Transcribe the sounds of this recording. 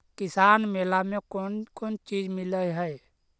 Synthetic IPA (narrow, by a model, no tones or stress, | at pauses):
kɪsaːnmeːlamẽkonkoːnt͡ʃiːd͡ʒmɪləɦɛe